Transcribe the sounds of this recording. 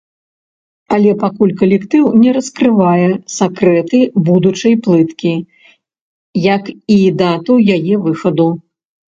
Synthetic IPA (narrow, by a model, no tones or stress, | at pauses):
ɐlʲɛpakulʲkɐlʲɛkt̪ɨwnʲɛɾɐskɾɨvajɛsakɾɛt̪ɨbud̪ut͡ʂɐjplˠɨt̪kʲi | jɐkid̪at̪uwjajɛvɨxɐd̪u